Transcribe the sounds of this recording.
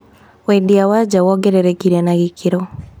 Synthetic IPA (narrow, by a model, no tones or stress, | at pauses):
wɛndiawad͡ʒawɔɡɛɾɛɾɛkiɾanaɣikʰiɾɔ